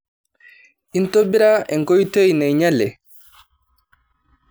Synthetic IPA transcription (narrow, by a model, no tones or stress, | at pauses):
ʔintobːiɾaɛŋkojtojnajɲalːɛ